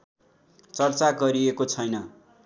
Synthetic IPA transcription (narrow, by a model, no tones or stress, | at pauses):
t͡sʌrt͡saɡʌɾiekot͡sʰʌjnʌ